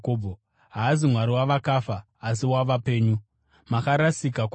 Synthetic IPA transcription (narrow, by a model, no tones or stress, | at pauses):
koːbʱo | ɦaːzimwaɾiwaʋakafaː | s̬iwaʋape̞ːɲu | makaɾasikak